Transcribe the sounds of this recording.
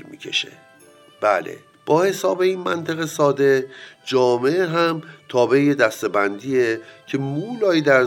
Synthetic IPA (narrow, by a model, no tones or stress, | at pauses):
ɾmḭːkʰḛʃḛ | b̥æ̰ːlḛ | b̥ɒːhe̞sɒːbe̞inmænt̪ʰeɣesɒːd̪e̞d͡ʒɒːmeeɦæmt̪ʰɒːbe̞jed̪æst̪e̞bænd̪iːecʰe̞muːlɒːjid̪æɾ